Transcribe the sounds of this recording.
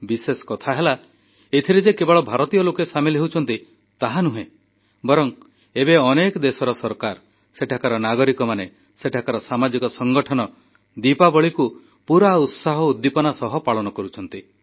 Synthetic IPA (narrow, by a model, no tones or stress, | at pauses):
biseskɔt̪ʰaɦela | et̪ʰiɾed͡ʒekebɔɭɔbʱaɾɔt̪ijɔlokesamilɦewut͡ʃʰɔnt̪i | t̪aɦanuɦẽ | bɔɾɔŋ | ebeɔnekɔd̪esɔɾɔsɔɾkaɾ | seʈʰakaɾɔnaɡɔɾikɔmane | seʈʰakaɾɔsamad͡ʒikɔsɔŋɡɔʈʰɔnɔ | d̪ipabɔɭiku | puɾaut̪saɦɔud̪ːipɔnasɔɦɔpaɭɔnɔkɔɾut͡ʃʰɔnt̪i